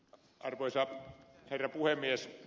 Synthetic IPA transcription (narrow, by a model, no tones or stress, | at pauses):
ʔɑrʋoisɑherːɑpuhemːˑies